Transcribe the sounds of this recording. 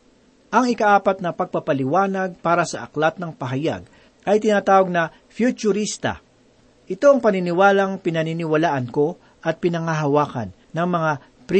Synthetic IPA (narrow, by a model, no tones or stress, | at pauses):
ʔɐŋɪkɐʔaːpɐt̪̚nɐpɐɡ̚pɐpɐlɪwaːnɐɡ̚paːɾɐsɐʔɐklat̪̚nɐŋpɐɦɐja̰ɡ | ʔɐjt̪ɪnaːt̪aːwoɡ̚nɐ | fjut͡ʃʊɾist̪ɐ̰ | ʔɪt̪o̞ɐŋpɐnɪnɪwaːlɐŋpɪnɐninɪwɐlaːʔɐnko̞ | ʔɐt̪̚pɪnɐŋaɦɐwaːkɐ̰nːɐŋmɐŋa | pɾ